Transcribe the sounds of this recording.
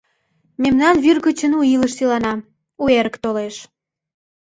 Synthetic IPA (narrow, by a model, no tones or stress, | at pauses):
memnɑnβyrɣət͡ɕənuiləʃsilɑnɑ | ueɾəkt̪oleʃ